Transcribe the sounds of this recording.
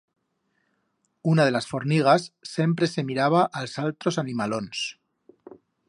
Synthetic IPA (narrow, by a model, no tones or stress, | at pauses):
unað̞e̞lasfo̞ɾniɣ̞asːe̞mpɾe̞se̞miɾaβ̞aʔalsalt̪ɾo̞sanimalo̞ns